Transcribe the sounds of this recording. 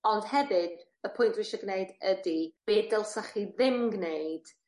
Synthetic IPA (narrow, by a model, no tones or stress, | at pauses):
ɔnd̥hɛvɨd̥ | əpʰʊjntʰwɪʃɔɡneɨdədib̥eːdɛlˠsaχiðɪmɡneɨd̥